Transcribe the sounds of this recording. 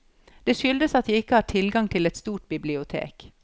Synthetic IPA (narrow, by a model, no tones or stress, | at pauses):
d̪̥eːʃʏld̪əsɑt̪̚jiːɪkːəhɑːʈʰɪlɡɑŋt̪ʰɪlɛt̪st̪uːʈ̚bɪblɪʊt̪ʰḛːk